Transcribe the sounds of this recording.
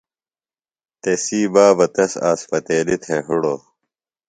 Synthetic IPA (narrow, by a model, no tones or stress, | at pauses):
t̪esiːbaːbɐt̪ɐsa̰ːspɐt̪eːlit̪ʰeɦuɽoː